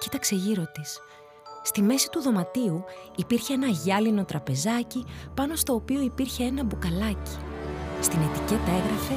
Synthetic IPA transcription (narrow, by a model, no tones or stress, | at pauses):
ci̥t̪ɐkse̞ʝiɾo̞t̪isː | t̪ime̞si̥t̪uðo̞mɐt̪iuipiɾçe̞enɐʝɐlino̞t̪ɾɐpe̞zɐcipɐno̞st̪o̞ːpio̞ipiɾçe̞e̞nɐbukɐlɐci̥st̪ine̞t̪ice̞t̪ɐe̞ɣɾɐfe̞